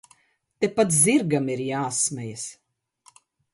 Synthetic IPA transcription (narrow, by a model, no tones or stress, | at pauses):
t̪epat̪ziɾɡamiɾjaːsmɛjas